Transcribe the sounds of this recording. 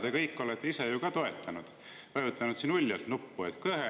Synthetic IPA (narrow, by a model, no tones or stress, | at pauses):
d̪̥ekɤjkːo̞let̪ːˑeisejukɑt̪o̞e̞t̪ːˑɑnud̪̥ | vɑjut̪ːˑɑnud̪sinulʲːjɑlt̪nupːuet̪kɤɦe